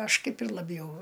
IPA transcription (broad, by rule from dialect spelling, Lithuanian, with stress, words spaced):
ˈɐʃ ˈkɐɪp ɪr lˠɐˈbʲjɛʊ